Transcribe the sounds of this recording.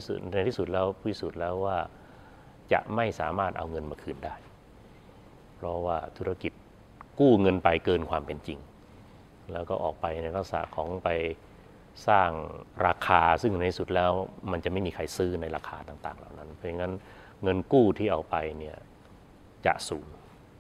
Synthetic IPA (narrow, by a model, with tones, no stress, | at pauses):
a˧j̪ʰiː˥˩su˨˩t̪̚lɛː˦˥wi˥˩su˨˩t̪̚lɛː˦˥wwaː˥˩ | t͡ɕa̰˨˩ʔma˥˩jsaː˩˦maː˥˩t̪̚ʔa̰˧wŋɤ˧nmaː˧kʰɯː˧˩ndaː˥˩j | pʰɾɔ˦˥waː˥˩t̪ʰu˦˥ɾa˧ki˨˩t̪̚ | kuː˥˩ŋɤ˧npa˧jkɤː˧nkʰwaː˧mpe˧nt͡ɕi˧ŋ | lɛː˦˥wkɔː˥˩ʔɔ̰ː˨˩k̚pa˧jna˧jɾa˦˥k̚sa̰˩˦kʰɔː˩˦ŋpa˧j | saː˥˩ŋɾaː˧kʰaː˧sɯ˥˩ŋa˧t̪ʰiː˧˩su˨˩t̪̚lɛː˦˥wma˧nt͡ɕa˨˩ʔma˥˩jmiː˧kʰa˧jsɯː˦˥na˧jɾaː˧kʰaː˧t̪aː˨˩ŋt̪a̰ː˨˩ŋla̰ː˨˩wna˦˥npʰɔ˦˥ja˧ŋːa˦˥n | ŋɤ˧nkuː˥˩t̪ʰiː˥˩ʔa˧wpa˧jni˥˩ɐ | t͡ɕa̰˨˩ʔsuː˩˦n